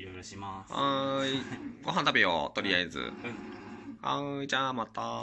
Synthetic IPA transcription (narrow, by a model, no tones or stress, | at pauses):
ã | ɡo̞ɦãnt̪abeo̰t̪o̞ɾʲiaezɨ̰ | ãd͡ʑaːmat̪a